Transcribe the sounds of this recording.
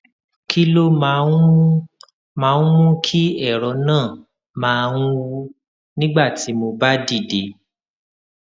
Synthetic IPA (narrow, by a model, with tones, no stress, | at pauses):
kʰi˦lo˦mã˨˧˦ | mãː˨˦wũ˦kʰi˦ɛ˦˨ɾɔ˨˧˦nãː˦˨ | mãː˧˦˧ŋ̃ũ˦wu˧ | nĩ˦ɡ͡ba˦˨ti˨˦mo˧ba˦di˦˨de˨˦